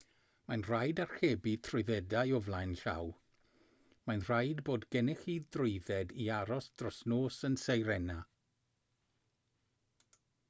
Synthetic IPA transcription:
manr̥ajdarxeːbitʰrʊɨðɛdajɔvlˠajnɬa̰w | majnr̥ajdboːdɡɛnɪxiːdrɪjðɛdiaɾɔsd̥rɔsnoːsənsejɾɛna

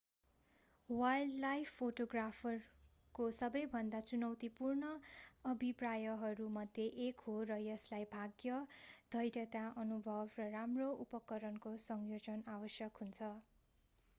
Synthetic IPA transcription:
wajllajpʰpːoʈoɡrapʰʌr | kosʌbʌjbʱʌnd̪at͡sunʌwt̪ipurnʌːbʱiprajʌɦʌɾumʌd̪ʱjeʔekɦorʌjʌslajbʱaɡjʌd̪ʱʌjɾjʌt̪aʔʌnubʱʌbrʌramroʔupʌkʌɾʌnkosʌŋjod͡zʌnawʌsjʌkɦunt͡sʰʌ

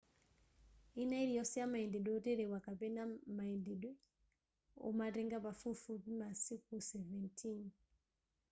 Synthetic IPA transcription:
inaiɾijɔsɛjamaɛndɛɗwɛɔtɛɾɛwakapɛnamaɛndɛɗwɛ | ɔ̰matɛŋɡapafufupimasikusɛvɛntʰin

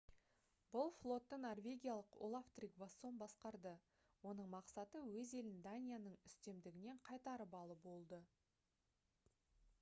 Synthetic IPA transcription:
bʊlˠflˠo̞t̪ːənorvʲe̞ɡʲijalˠəqo̰lˠaft̪rikvaso̞mbɑsqɑɾd̪ə | wo̞nəɴmɑqsɑt̪əwɵze̞lɪnd̪anʲijanəɴʏst̪e̞md̪ɪɡʲɪne̞ɴqʰɑjt̪ɑɾəbɑlˠəbo̞lˠd̪ə

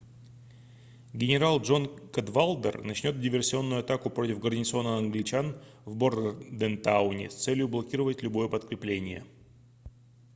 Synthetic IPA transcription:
ɡʲɪnʲɪɾalˠʐo̞nkɐd̪valˠd̪ərnɐt͡ɕnʲo̞t̪̚dʲɪvʲɪrsʲɪo̞nːʊjʊɐt̪akʊpɾo̞tʲɪfɡərnʲɪt̪so̞nəɐnɡlʲɪt͡ɕanvbord̪ərd̪ɛnt̪aʊnʲɪ̰st̪sɛlʲjʊblˠɐkʲiɾəvətʲlʲʊbo̞jəpət̪kɾʲɪplʲenʲɪjə̰

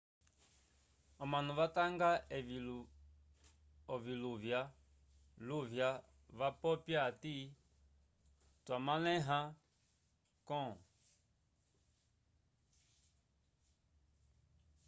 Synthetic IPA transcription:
ɔmanũvataŋɡaɛv | ɔviluvja | luvja | vapɔpjati | twamalɛ̃ɦã | kɔ̃

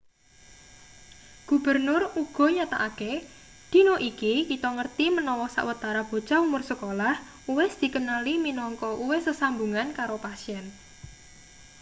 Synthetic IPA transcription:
ɡ̥ṳb̥ərnʊruɡ̥ɔ̤ɲat̪a̰ʔake | d̪̥i̤noʔikikit̪ɔŋərt̪imənɔwɔsa̰ʔwət̪aɾab̥o̤̥t͡ʃaumʊrsəkolah | uwɪsd̪̥i̤kənaliminɔŋkɔʔuwɪsəsambuŋankaɾopasiɛn

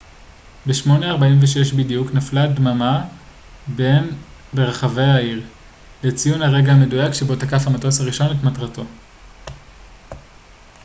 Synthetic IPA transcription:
beʃmo̞neaʁbaimveʃeʃbidijuknafladmama | be̞nbeʁaχave̞jaiʁ | let͡sijunhaʁe̞ɡaame̞dujakʃebo̞takafhamatosaʁiʃo̞netmatʁato̞

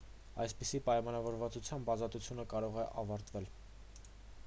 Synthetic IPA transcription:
ɑjspisipɑjmɑnɑvɔɾvɑt͡sut͡sʰjɑmbɑzɑt̪ut͡sʰjunəkɑɾɔʁɛʔɑvɑɾt̪vɛl

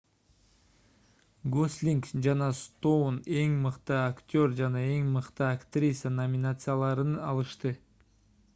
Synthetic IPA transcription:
ɡosʲlʲiŋkd͡ʒɑnɑst̪o̞wne̞ŋmɯqt̪ɯaktʲø̞ɾd͡ʒɑnɑe̞ŋmɯqt̪ɯakt̪rʲisanomʲɪnat̪sɨjalˠɑɾɯnɑlˠɯʃt̪ɯ

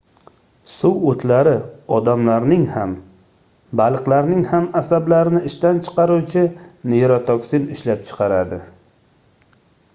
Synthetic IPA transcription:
sʊwot̪ʰlaɾɪɒd̪amlaɾnɪŋham | balˠɨqlaɾnɪŋhamasablaɾɪnɪɪʃt̪ant͡ʃʰɨ̥qɑɾuwt͡ʃʰɪnejɾɒt̪ʰɒksɪnɪʃlap̚t͡ʃʰɨ̥qʰɑɾad̪ɪ

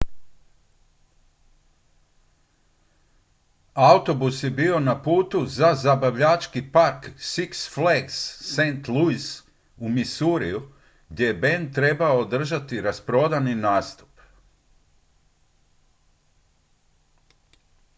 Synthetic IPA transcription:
aut̪o̞busje̞bio̞napuːt̪uzazabaʋʎat͡ʃkipaɾksiksfleksːent̪luis | umisuɾḭju | ɡd̪ʲje̞jebend̪̚t̪ːɾe̞baoːd̪r̩ʒat̪iɾaspɾo̞d̪aninaːst̪u̥p

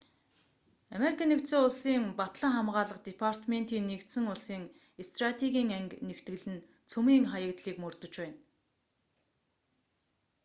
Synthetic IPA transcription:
ameɾikʰanːekt̪soːʊɮsiːŋpat̪ɮə̆ŋχamʁaːɮə̆qt̪epʰar̥t̪ment̪iːnːekt̪sɘ̆ŋʊɮsiːŋ | est̪rat̪ʰeɣʲiːŋæŋknekt̪ɡɘ̆ɮɘ̆n | t͡sʰɵmiːŋχajə̆kt̪ɮiːkmɵrt̪ɵ̆t͡ɕpæːn

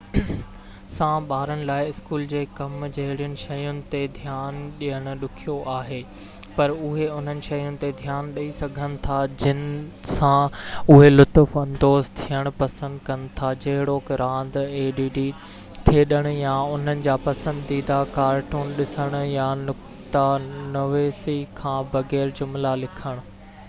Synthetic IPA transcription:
sãːɓaːɾəɽ̃ɪ̆laːɪɪskuːld͡ʑeːkɐmd͡ʑɐɦɪɽijʊnɪ̆ʃɐjʊnɪ̆t̪ed̪ʱjaːnɗiəɽ̃ʊ̆ɗʊkʰijoʔaːɦeː | pɐɾʊɦeʊn̤ənɪ̆ʃɐjʊnɪ̆t̪ed̪ʱjaːnɗɐisɐɡʱənɪ̆t̪ʰad͡ʑɪnsãʊɦelʊt̪ʊfɐ̃nd̪oːzt̪ʰijəɽ̃ʊ̆pɐsə̃nd̪kɐnɪ̆t̪ʰad͡ʑɐɦɪɽokɾãːn̆d̪eːɖiːɖi | t̪ʰeːɗəɽ̃ʊjãʊn̤ənɪ̆d͡ʑaːpɐsə̃nd̪iːd̪akaːɾʈuːnɗɪsəɽ̃ʊjãnʊk | t̪anɐʋeːsikʰãːbɐɣɛːɾd͡ʑʊmlalɪkʰəɽ̃ʊ̆

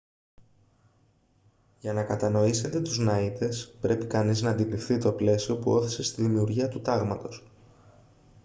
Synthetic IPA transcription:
ʝɐnɐkɐt̪ɐno̞ise̞t̪e̞t̪uznɐit̪e̞spɾʔe̞pikɐniznɐːnd̪ilifθit̪o̞ple̞sio̞puo̞θi̥se̞st̪iðimiuɾʝiɐt̪ut̪ɐɣmɐt̪o̞s

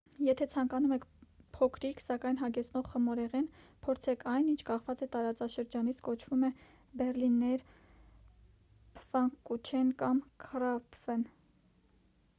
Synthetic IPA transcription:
jɛt̪ʰɛt͡sʰɑŋkɑnumɛkʰpʰɔkʰɾikʰsɑkɑjn̪ɦɑɡɛt͡sʰnɔʁχəmɔɾɛʁɛnpʰɔɾt͡sʰɛkʰɑjnint͡ʃʰkɑχvɑt͡sɛt̪ɑɾɑt͡sɑʃəɾd͡ʒɑnit͡sʰkɔt͡ʃʰvumɛ | bɛrlinːɛɾ | pʰfɑŋkkːut͡ʃʰɛnkɑmkʰərɑpfɛn

